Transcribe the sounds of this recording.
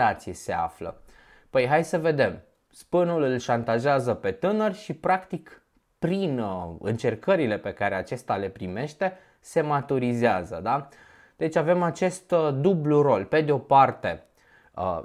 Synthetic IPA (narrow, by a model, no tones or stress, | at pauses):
at̪sijese̞a̰flə̰ | pəjɦajsəve̞d̪e̞m | spənulɨlʃant̪aʒeazəpe̞t̪ɨnərʲʃipɾakt̪ik | pɾinɨ̰nt͡ʃe̞rkəɾile̞pe̞kaɾe̞at͡ʃe̞st̪ale̞pɾime̞ʃt̪e̞ | se̞mat̪uɾizeazə̰d̪a | d̪̥e̞t͡ʃʲave̞mat͡ʃe̞st̪d̪ubluro̞lpe̞d̪eo̞part̪e̞